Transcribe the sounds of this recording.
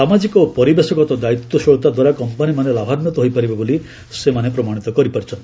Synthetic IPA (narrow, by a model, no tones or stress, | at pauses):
amad͡ʒikɔpɔɾibesɔkɔt̪ɔd̪ait̪ːɔʃɔɭt̪ad̪waɾakɔmpanimanelabʱanmjɔt̪ɔɦojpaɾibɔboli | semanepɾɔmaɽ̃it̪ɔkɔɾipaɾit͡ʃʰɔnt̪i